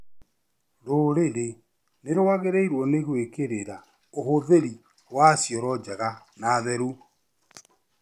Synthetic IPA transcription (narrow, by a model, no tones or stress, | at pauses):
ɾoɾeɾe | neɾowaɣeɾeiɾwɔneɣwekeɾeɾa | ohoðeɾi | wasjɔɾɔd͡ʒaɣa | naðɛɾu